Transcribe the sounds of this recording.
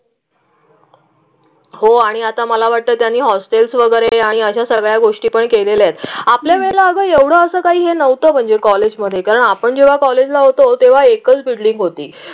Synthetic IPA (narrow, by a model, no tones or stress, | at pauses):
ɦoaɽ̃iat̪aməlaʋaʈ̚t̪əːt̪janːiːɦɔsʈelsʋəɡəɾeaɽ̃iəɕasəɡɭjaɡoʂʈiːpəɳkeleljet̪apljaʋeɭlaəɡəːeʋɽ̤əəsəːkaɦiːɦenəʋt̪əːm̤əɳd͡ʑekɔled͡ʑməd̪ʱːjekaɾəɳapəɳd͡ʑeʋ̤akɔled͡ʑlaɦot̪ot̪eʋ̤aekət͡sbiɭɖiŋɡɦot̪iː